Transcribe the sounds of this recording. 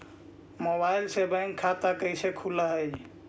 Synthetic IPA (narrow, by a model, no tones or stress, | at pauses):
mobajlsebəjŋkʰat̪akəjsekʰuləɦəd͡ʒ